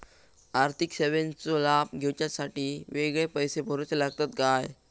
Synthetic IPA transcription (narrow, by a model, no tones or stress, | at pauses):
aɾt̪ʰikseʋent͡sɔlab̚ɡʱewt͡ɕjasaʈiːʋeɡɭepəjsebʱɔɾot͡selaɡt̪at̪ɡaj